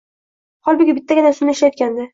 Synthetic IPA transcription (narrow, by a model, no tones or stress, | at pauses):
hɒlˠbɪɡʲɪbɪt̪ʰːaɡʲɪnasɪnɪʃlajɒt̪kʲand̪ɪ